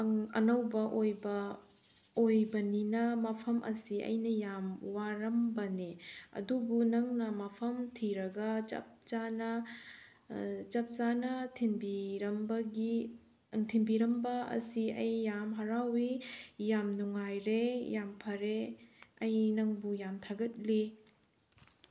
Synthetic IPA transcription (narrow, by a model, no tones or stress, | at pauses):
ɐŋɐ̰nɐwbɐʔojbɐ | ojbɐninɐmɐpʰɐmʔɐ̰siɐ̰jnɐjamwaɾɐmbɐneɐ̰dubunɐŋnɐmɐpʰɐmtʰiɾɐɡɐd͡ʒɐ̰p̚zanɐ | d͡ʒɐp̚zanɐtʰinbiɾɐmbɐɡi | ŋtʰinbiɾɐmbɐɐ̰siɐ̰jːamɦɐɾawijamnuŋajɾejampʰɐɾeɐjnɐŋbujamtʰaɡɐt̚li